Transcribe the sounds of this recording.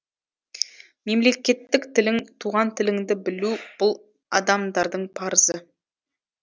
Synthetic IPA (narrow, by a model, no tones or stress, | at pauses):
me̞mle̞kʲe̞t̪ːɪkt̪ʰɪlɪŋt̪ʰuʁɑnt̪ʰɪlɪŋd̪ɪbɪlub̥ʊlˠ | ɑ̰d̪ɑmd̪ɑɾd̪əɴpʰɑɾəzə